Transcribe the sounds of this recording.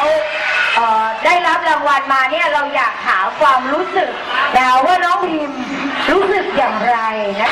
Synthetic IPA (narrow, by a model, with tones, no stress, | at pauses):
ʔɤː˨˩daː˥˩jɾa˦˥p̚la˧ŋwa˧nmaː˧ni˥˩ɐɾa˧wjaː˨˩k̚t̪ʰaː˩˦kʰwaː˧mɾuː˦˥sɯ˨˩k̚lɛː˧waː˥˩nɔː˦˥ŋt̪ʰiː˧m | ɾuː˦˥sɯ˨˩k̚jaː˨˩ŋɾa˧jna˦˥